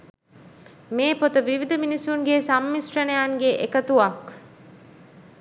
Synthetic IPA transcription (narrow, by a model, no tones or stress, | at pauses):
meːpot̪ɐʋiʋid̪ɐminisuŋɡesɐmːisʈɐnejaːŋɡeʔekɐt̪uɐk